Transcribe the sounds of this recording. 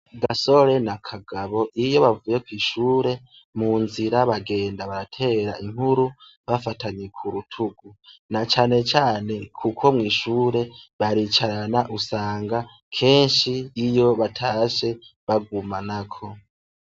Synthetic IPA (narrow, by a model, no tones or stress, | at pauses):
ɡaso̞ɾe̞nakʰaɡaβo̞ʔijo̞βavuːje̞kwiːʃuːɾe̞ | munziɾaβaɡe̞ːndaβaɾatʰe̞ːɾa̰ʔiŋ̥huɾu | βafataɲekʰuɾutʰuɡunat͡ʃaːne̞t͡ʃaːne̞kʰukʰo̞mŋiːʃuːɾe̞βaɾit͡ʃaɾanaʔusaːŋɡa | kʰeːnʃiːjo̞βatʰaːʃe̞βaɡumanakʰo̞